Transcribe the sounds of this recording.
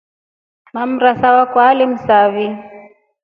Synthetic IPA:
mam̩ɾasawakwalim̩saːβi

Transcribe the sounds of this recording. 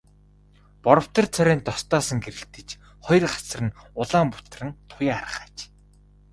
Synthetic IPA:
pɔɾɞ̆w̥t̪ə̆rt͡sʰœɾʲæːnt̪ɔst̪aːsə̆ŋɡeɾɘ̆ɬt̪ɘ̆t͡ɕ | χɔjrɢḁt͡s̆rɘ̆nʊɮaːmpʊt̪̆rɘ̆nt̪ʰʊjaːaɾə̆χaːt͡ɕ

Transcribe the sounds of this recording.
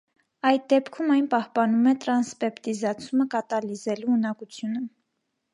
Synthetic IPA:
ɑjd̪̚d̪ɛpkʰumɑjnpɑhpɑnumɛt̪ɾɑnspɛpt̪izɑt͡sʰuməkɑt̪ɑlizɛluənɑkut͡sʰjunə

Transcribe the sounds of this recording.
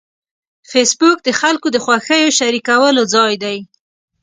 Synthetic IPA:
fesbuk̚d̪əxalkod̪əxwaxəjoʃaɾikawəlozɑjd̪aj

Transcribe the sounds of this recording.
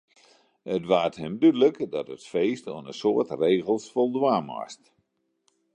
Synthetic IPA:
ətʋaːthɛmdydələkdɔtətfeːsto̰ənəsoːətreːɣəlˠsfolˠdwaːmɔ̰st

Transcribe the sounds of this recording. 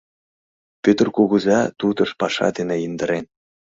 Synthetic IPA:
pʲøt̪ə̆rkuɣuzɑt̪ut̪əʃpɑʃɑ̰d̪eneind̪əɾen

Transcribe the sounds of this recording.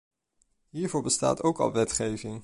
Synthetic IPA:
ɦiːɹvʊːɹbəsta̰ːtowkɑ̰lˠʋɛtχejvɪŋ

